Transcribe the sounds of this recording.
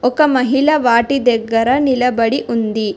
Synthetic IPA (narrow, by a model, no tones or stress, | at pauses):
ɔkɐmɐɦilɐʋaːʈid̪ɛɡːɐɾɐnilɐbɐɽiʔund̪i